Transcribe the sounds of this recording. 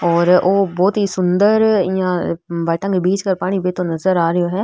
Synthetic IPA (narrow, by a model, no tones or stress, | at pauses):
ɔːɾoːbɔːt̪ɦiːsʊnd̪əɾjãːbaːʈə̃ŋɡbiːd͡ʒkəɾpaːɽ̃iːbeːt̪õnəzəɾaːɾəjoːɦɛː